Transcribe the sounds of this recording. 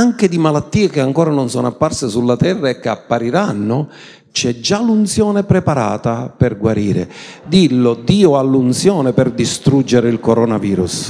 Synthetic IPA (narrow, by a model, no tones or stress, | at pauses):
aŋked̪imalat̪ːiːekeaŋkɔːɾanonsɔːnoapːarsɪsulːat̪ɛrːaekːeapːaɾiɾanːʊ | t͡ʃɛd͡ʒːalunt̪sjɔːnepɾepaɾa̰ːt̪aperɡwaɾiːɾḛd̪ilːod̪iːʊalːunt̪sjɔːnepɪrd̪ist̪ɾud͡ʒːeɾeilkoɾɔnaviːɾṵs